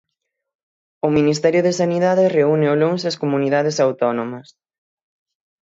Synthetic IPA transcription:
ʊminist̪ɛɾjʊðesaniðaðɪreunɪoloŋsɐskomuniðaðesawt̪ɔnomɐs

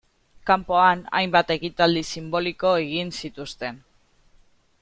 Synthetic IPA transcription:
kampo̞ana̰jmbat̪e̞kit̪ald̪isimbo̞liko̞e̞ɣinsit̪ust̪e̞n

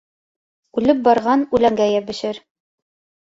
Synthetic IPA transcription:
ʉlɘp̚bɑɾʁɑnʉlæŋɡæjæbɘ̆ʃɘɾ

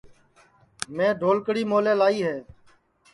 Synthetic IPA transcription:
mẽːɖʱoːlkəɽiːmoːleːlaːiːɦeː

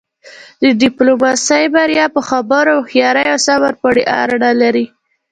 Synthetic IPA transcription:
d̪əɖɪplomɑsəjbaɾjɑpəxabəɾoxjɑɾəjawsamaɾpaɽiʔa̰ɾɽalaɾi

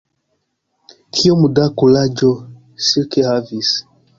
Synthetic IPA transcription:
kʰiɔmudakulad͡ʒɔ | sikehavis

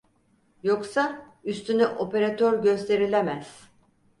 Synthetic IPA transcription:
joksa | yst̪ʰynyʔo̞pe̞ɾat̪ʰøɾɟø̞st̪ʰe̞ɾilʲemæz̥

